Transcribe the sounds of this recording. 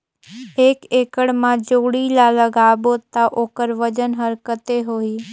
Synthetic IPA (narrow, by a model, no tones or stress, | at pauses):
eːkeːkəɽmãd͡ʒoːɽilaləɡaːbot̪aʔoːkəɾʋəd͡ʒənɦəɾkət̪eɦoːiː